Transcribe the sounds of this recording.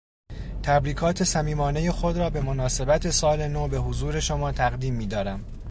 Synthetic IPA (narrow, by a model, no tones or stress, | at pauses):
t̪ʰæbɾiːkʰɒːt̪ʰe̞sæmiːmɒːne̞je̞xo̞d̪ɾɒːbe̞mo̞nɒːse̞bæt̪ʰe̞sɒːle̞noːbe̞ɦozuːɾe̞ʃomɒːt̪ʰæɣd̪iːmːiːd̪ɒːɾæm